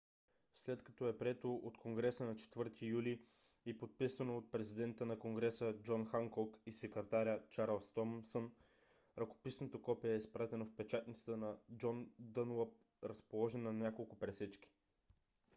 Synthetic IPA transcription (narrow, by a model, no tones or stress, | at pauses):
slɛt̪kɐ̥t̪ɔɛpɾiɛt̪oʔot̪kʰoŋɡɾɛsənɐt͡ʃɛ̥t̪vɤɾt̪ʰijuli | ipot̪̚pisɐnoːt̪̚pɾɛzid̪ɛnt̪ənɐkoŋɡɾɛsəd͡ʒɔnxaŋkɔkisɛkɾɛt̪aɾʲət͡ʃaɾlˠst̪ɔmsən | ɾɐko̥pisnot̪okɔpiəɛispɾat̪ɛnofpɛt͡ʃat̪nʲit̪sə̥t̪ənɐd͡ʒɔnd̪ənləp̚ | ɾɐspolˠɔʒɛnːɐnʲjakolˠkʊpɾɛsɛt͡ʃkʲi̥